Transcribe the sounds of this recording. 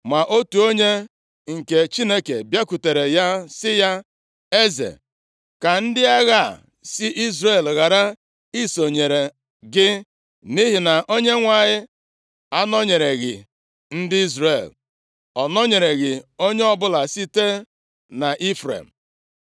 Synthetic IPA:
ma˨ʔo˦tu˨o˦ɲe˦ | ŋ̩˨ke˨t͡ʃi˦ne˦kḛ˨bja˦ku˨te˨ɾe˨ja˦sɪ˦ja˦ | e˦zḛ˨ | ka˨n̩˦dɪ˦a˦ɣa˦˨ | sɪ˦ʔi˦zɾe˦˨lɣa˨ɾa˦ | i˦so˨ɲe˨ɾe˨ | ɡɪ˦ | ni˦ɦi˨na˨ʔo˦ɲe˦ŋʷa˨ɲɪ˦ | a˦nɔ˦ɲe˨ɾe˨ɣɪ̰˨ | n̩˦dɪ˦i˦zɾe˨l | ɔ˨nɔ˦ɲe˨ɾe˨ɣɪ˨o˦ɲe˦ɔ˦bʊ˦la˨si˦te˦ | na˨ʔi˦fɾḛ˨m̩˨

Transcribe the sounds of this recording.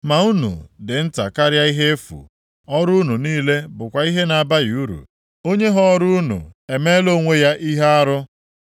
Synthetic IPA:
ma˨u˦nṵ˨dɪ˨n̩˦ta̰˨ka˦ɾja˦i˦ɦe˦e˦fṵ˨ | ɔ˦ɾʊ˦nu˨niː˦le˦bʊ˨kʷa˨i˦ɦe˦na˨ba˦ju˦ɾṵ˨ | o˦ɲe˦ɦɔ˦ɾʊ˦nṵ˨e˨me˦lo˦ŋʷe˦ja˦ʔi˦ɦe˦a˦ɾʊ˦

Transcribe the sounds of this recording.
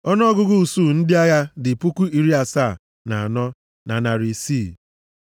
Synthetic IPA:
ɔ˦n˦ɔ˦ɡʊ˦ɡʊ˦u˨su˦˨n̩˦dɪ˦a˦ɣa˦dɪ˨pu˦ku˦i˨ɾi˦a˨sa˦˨ | na˨a˨nɔ˦ | na˨na˨ɾi˨si˦˨

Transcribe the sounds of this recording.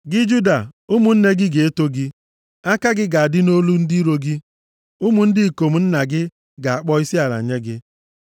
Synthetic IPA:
ɡɪ˦d͡ʒu˦da˨u˦mu˨n̩˦ne˦ɡɪ˦ɡe˨e˦to˦ɡɪ˦ | a˦ka˦ɡɪ˦ɡa˨a˨dɪ˦no˦lu˦n̩˦di˦ɾo˨ɡɪ˦ | u˦mu˨n̩˦dɪ˦˨ko˨m̩˨n̩˦na˨ɡɪ˦ | ɡa˨a˨k͡pɔ˦i˦si˦a˨la̰˨ɲe˦ɡɪ˦

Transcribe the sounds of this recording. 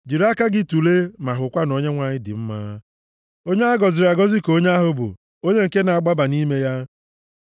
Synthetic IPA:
d͡ʒi˨ɾa˦ka˦ɡɪ˦tu˨le˦ma˨ɦʊ˨kʷa˦no˨ɲe˦ŋʷa˦ɲɪ˦dɪ̰˨m̩˦maː˦ | o˦ɲe˦a˦ɡɔ˨zɪ˨ɾa˨ɡɔ˦zɪ˦ko˦ɲ˦a˦ɦʊ˦bʊ̰˨ | o˦ɲe˦ŋ̩˨ke˦na˨a˨ɡ͡ba˦ba˨ni˦me˦ja˦

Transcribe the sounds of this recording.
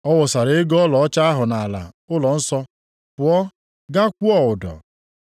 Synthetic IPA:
ɔ˦wɔ˨sa˨ɾe˨ɪ˦ɡɔ˦lɔ˨ɔ˦t͡ʃa˦a˦ɦʊ˨na˨a˨la̰˨ | ʊ˦lɔ˨n̩˦sɔ˦ | pʊ˨ɔ˦ | ɡa˦kʷu˦ɔ˨ʊ˨dɔ̰˨

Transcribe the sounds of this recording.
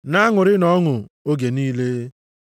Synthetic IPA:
na˦ŋʊ˨ɾɪ˦nɔ˦ŋʊ˨o˦ɡe˨niː˦le˦

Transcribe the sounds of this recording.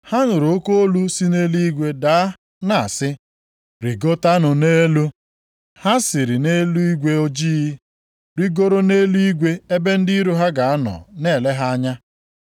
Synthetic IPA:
ha˦nʊ˨ɾo˦ko˦o˦lu˦si˦ne˦lu˦i˦ɡʷe˦da˦ | na˨a̰˨sɪ˦ | ɾi˨ɡo˦ta˦nʊ˨ne˦lu˦ | ha˦sɪ˨ɾɪ˨ne˦lu˦i˦ɡʷe˦o˦d͡ʒi˦ɣi˦ | ɾi˦ɡo˦ɾo˦ne˦lu˦i˦ɡʷe˦e˦be˦n̩˦di˦ɾu˦ɦa˦ɡa˨a˦nɔ̰˨ne˦˨le˦ɦa˦ɲa˦

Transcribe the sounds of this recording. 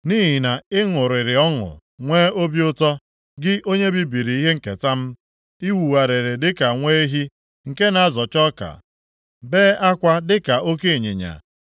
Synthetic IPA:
niː˦ɦɪ˨na˨ɪ˦ŋʊ˨ɾɪ˨ɾɪ˨ɔ˦ŋʊ̰˨ | ŋʷeː˦o˦bjʊ˦tɔ˦ | ɡɪ˦ʔo˦ɲe˦bi˦bi˨ɾi˨i˦ɦe˦ŋ̩˨kḛ˨ta˦m̩˦ | i˦wu˨wa˨ɾe˨ɾe˨dɪ˦ka˨ŋʷe˦e˦ɦi˦ | ŋ̩˨ke˦na˨a˦zɔ˨t͡ʃɔ˦ka̰˨ | beː˦a˦kʷa˦dɪ˦ka˨o˦ke˦e˨ɲḛ˨ɲa̰˨

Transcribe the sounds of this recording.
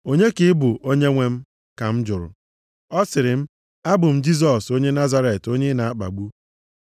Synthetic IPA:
o˦ɲe˦kɪ˦bʊ˨ʔo˦ɲe˦ŋʷe˦m̩˦ | ka˨m̩˦d͡ʒʊ˨ɾʊ̰˨ | ɔ˦sɪ˨ɾɪ˨m̩˦ | a˦bʊ˨m̩˦d͡ʒi˦s̬ɔ˨so˦ɲe˦na˦za˦ɾe˨to˦ɲe˦na˨a˦k͡pa̰˨ɡ͡bu˦

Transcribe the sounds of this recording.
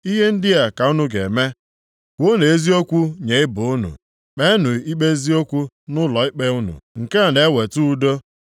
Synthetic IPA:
i˦ɦe˦n̩˦dɪ˦a˨ka˨u˦nʊ˦ɡḛ˨me˦ | kʷo˦ne˨e˦zi˦o˦kʷu˦ɲe˨˦ɪ˦bʊ˨ʊ˦nṵ˨ | k͡pe˦nʊ˨i˦k͡pe˦zi˦o˦kʷu˦ | nʊ˦lɔ˨ɪ˦k͡pe˦ʊ˦nṵ˨ŋ̩˨ke˦a˨ne˨˦we˨tu˦u˦do˦

